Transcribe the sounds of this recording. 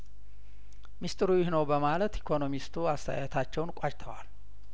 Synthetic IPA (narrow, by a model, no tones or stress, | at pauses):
mist̪ʰʼɨɾujɪhnəwbəmalət̪ikʰo̞no̞mist̪ʰuast̪ʰəjat̪ʰat͡ʃːɛwnkʷʼat͡ʃt̪ʰəwal